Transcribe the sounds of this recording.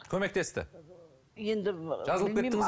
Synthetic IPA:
kʲʰɵme̞k̚t̪e̞st̪ɪ̰ | jend̪ɪʒɑzəlˠpkʲeɪŋɪz

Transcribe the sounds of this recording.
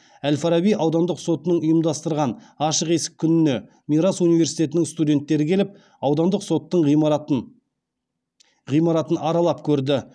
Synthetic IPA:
ælfɑɾɑbijʔɑwd̪ɑnd̪əqso̞t̪ənəɴʊjəmd̪ɑst̪əɾʁɑnɑʃəqe̞sɪ̥k̚ʲʰːʏnɪne̞ | miɾasunijveɾsijt̪e̞t̪ɪnɪŋst̪ud̪ʲe̞nt̪ːe̞ɾɪkʲʰe̞lɪp̚ | ɑwd̪ɑnd̪əqso̞t̪ːəɴ | ʁijmɑɾɑt̪ənʔɑɾɑlˠɑp̚kʲʰɵɾd̪ɪ

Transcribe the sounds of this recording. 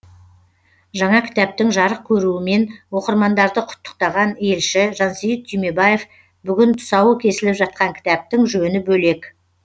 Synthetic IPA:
ʒɑɴɑkʲʰɪ̥t̪æp̚t̪ɪŋʒɑɾəq̚kʲʰɵɾuɪme̞nwo̞qəɾmɑnd̪ɑɾd̪əqʰʊ̥t̪ːə̥q̚t̪ɑʁɑne̞lʃɪʒɑnsijɪt̪̚t̪ʰːijme̞baje̞f | bʏɡʲɪnt̪ʰʊ̥sɑwəkʲʰe̞sɪlɪpʒɑt̪̚qɑŋkʲʰɪ̥t̪æp̚t̪ɪŋʒɵnɪbɵle̞k

